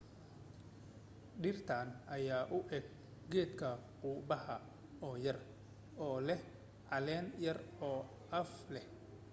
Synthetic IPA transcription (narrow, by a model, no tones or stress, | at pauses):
ɖɪrt̪ʰaːnʔɐjaːʔʊʔɛːɡ̚ | ɡɛːd̪kʰɐquːbɐɦɐ | ɔːjɐr | ɔːlɛh | ʕɑlɛːnjɐrɔː | ʔɐflɛh